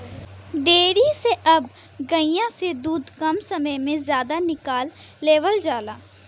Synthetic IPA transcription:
ɖeːɾiseʔɐb | ɡɐɪjãsed̪uːd̪kɐmsɐməjmẽzjaːd̪anɪkaːlː | eːʋəld͡ʒaːlaː

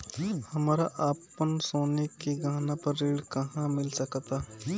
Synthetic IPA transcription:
hɐmaːɾaʔaːpənsoːnekeɡʱaːnapɐɾːeːɽkɐɦãmɪlsɐkt̪aː

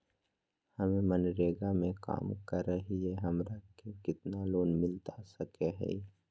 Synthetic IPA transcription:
hɐmẽmɐnɾeːɡamẽka̰ːmkəɾeɦieɦɐmɾakekɪt̪naloːnmɪlt̪asɐkeɦɛ̰

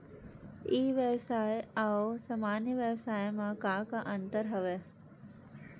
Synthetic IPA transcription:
iːʋjəʋsaːjɐwsɐmaːnjəʋjɐʋsaːjmãkaːkaʔɐnt̪əɾɦɐʋe

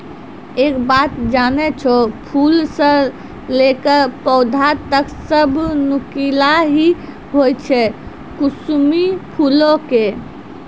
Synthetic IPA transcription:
eːkbat̪d͡ʒanɛt͡ʃʰopʰulsə̃ | lekəpɔːd̪ʱat̪əksəbʱnukilaɦi | ɦojt͡ʃʰɛ | kusmipʰulõke

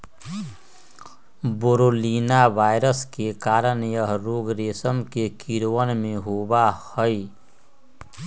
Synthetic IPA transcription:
boɾoːliːnaʋaːɪɾəskekaːɾənjəɦɾoːɡɾeːsəmkekiɾwənmẽɦoːbahəj

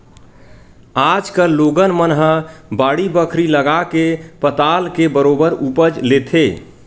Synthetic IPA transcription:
ad͡ʒkəlloɡənmənɦəbaːɽibəkʰɾiləɡakepət̪alkebəɾobəɾupəd͡ʒlet̪ʰe

